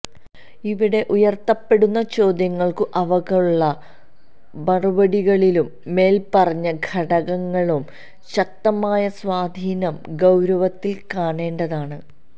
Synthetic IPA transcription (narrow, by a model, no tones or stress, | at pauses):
iʋiɽe̞ʔujɐrt̪ːɐpːe̞ɽunːɐt͡ɕo̞ːd̪jɐŋːɐɭkɨʔɐʋɐɣɐuɭːɐ | bɐrubɐɽiɣɐɭilumːe̞ːlpɐrɐɲːɐɡʱʰɐɽɐɣɐŋːɐɭum | ɕɐk̚t̪ɐmaːjɐswaːd̪ʱiːnɐmɡɐwɾɐʋɐt̪ːilkaːɳe̞ːɳɖɐðaːɳɨ